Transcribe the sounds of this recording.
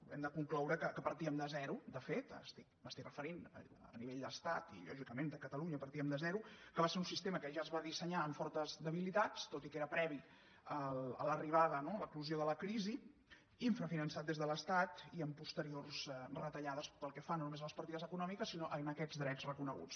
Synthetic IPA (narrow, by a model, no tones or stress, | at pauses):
ɛ̰md̪əkuŋklɔwɾəkəkəpəɾt̪iəmd̪əzɛɾud̪əfet̪ːst̪ik̚bəst̪ikrəfəɾinə̰ | ə̰niβeʎd̪əst̪at̪ḭʎɔ̰ʒikəmend̪əkət̪əluɲəpəɾt̪iəmd̪əzɛɾukəβaseɾunsist̪eməkəʒaəzβaðisəɲaəɱfɔɾt̪əzðəβilit̪at͡st̪ot̪ikeɾəpɾɛβi | ələ̰ləriβaðənoləkluzioðələkɾizi | iɱfɾəfinənsat̪̚d̪ezðələst̪at̪iəmpust̪əɾiorzrət̪əʎaðəspəlˠkɛfanːonumezələspəɾt̪iðəzəkunɔmikəsːinoʔənəkɛd͡zd̪ɾɛd͡zrəkunəɣṵt͡s